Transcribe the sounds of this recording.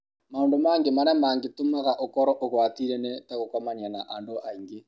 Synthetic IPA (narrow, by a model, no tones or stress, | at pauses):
maondomaːŋɡemanɛmaːŋɡetomaɣaʔokɔɾɔʔoɣwatiɾenetaɣokomaɲanaʔaːndoʔaiŋɡe